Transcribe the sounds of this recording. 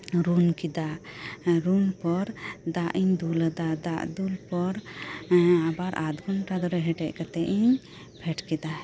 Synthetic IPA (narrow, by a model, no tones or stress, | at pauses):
ɾunkid̪a | ɾunpɔɾd̪aʔiɲd̪ulad̪ad̪aʔd̪ulpɔɾ | abaɾʔad̪ɡɔnʈad̪ɔɾɛɦɛʈɛc̚ˀkat̪ɛʔiɲ | pʰɛʈkid̪a